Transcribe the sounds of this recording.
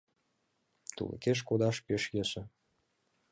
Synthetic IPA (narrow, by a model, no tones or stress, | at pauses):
t̪ṵlə̰̆keʃ̬kod̪ɑʃpeʃjeʃɘ̆